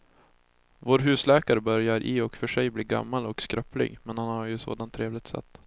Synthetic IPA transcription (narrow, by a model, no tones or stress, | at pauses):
voːɾɦʉ̟ːslɛːkaɾəbœɾjaɾʔɪɔkfœʂɛjbliːɡa̰mːalɔkskɾœplɪ̰ɡmɛnhanhaɾjɵso̰ːd̪ant̪ʰːɾeːvlɪɡ̚t̪sɛ̰t̪ː